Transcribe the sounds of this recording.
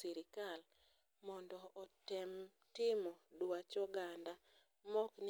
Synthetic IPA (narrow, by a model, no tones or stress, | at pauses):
iɾɪkal | mɔndɔʔɔtɪm | tɪmɔdwwat͡ʃɔɡanda | mɔkn